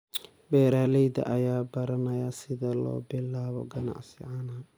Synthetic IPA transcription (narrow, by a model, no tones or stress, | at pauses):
bɛːɾaːlɛjd̪ɐ̰ʔɐjaːbɐɾɐnɐjasɪðɐlɔ̰ːbɪlːaːβɔ̰ɡɐna̰ʕsɪ̰ʕanaː